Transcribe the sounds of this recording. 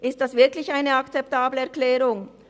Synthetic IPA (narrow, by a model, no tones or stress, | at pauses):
ʔɪst̚d̥asv̥ɪɐklɪçaɪnəakt͡sɛp̚taːbləɛɐklɛːʁʊŋ